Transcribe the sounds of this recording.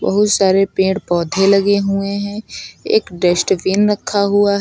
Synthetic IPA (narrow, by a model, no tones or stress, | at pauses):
bɐ̰ɦʊt̪saːɾepẽːʈpɔːd̪ʱelɐɡeɦʊeɦɛ̃ḛːkɖesʈʋiːnɾɐkʰːaɦuaɦ